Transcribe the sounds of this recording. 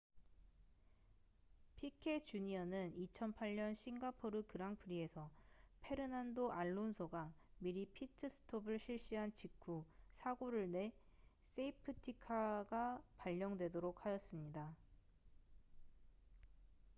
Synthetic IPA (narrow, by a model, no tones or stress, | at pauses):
pʰikʰe̞t͡ɕuɲiʌnɯnit͡ɕʰʌnpʰaʎɲʌnɕʰiŋɡapʰoɾɯkɯɾaŋpʰɯɾie̞sʰʌpʰe̞ɾɯnandoʔaɭːonsʰoɡamiɾipʰitʰɯsʰɯ̥tʰobɯɭɕʰiɭɕ͈iɦant͡ɕikʰusʰaɡoɾɯɭne̞s͈eipʰɯtʰikʰaɡapaʎːʌŋdwe̞doɾok̚ʰhajʌs͈ɯmɲida